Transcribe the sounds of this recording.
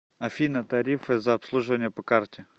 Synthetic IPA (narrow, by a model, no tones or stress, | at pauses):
ɐfʲinət̪ɐɾʲifɨzɐɐpslˠuʐɨvənʲɪjəpɐkartʲɪ